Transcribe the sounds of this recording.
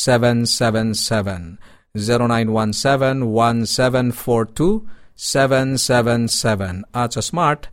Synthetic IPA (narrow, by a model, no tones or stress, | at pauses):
sɛʋɛ̃nsɛʋɛ̃nsɛʋɛ̃n | ziɾonãj̃nwãnsɛʋɛ̃nwãnsɛʋɛ̃nfɔɾtʰusɛʋɛ̃nsɛʋɛ̃nsɛʋɛ̃nat͡ʃəsmaɾʈ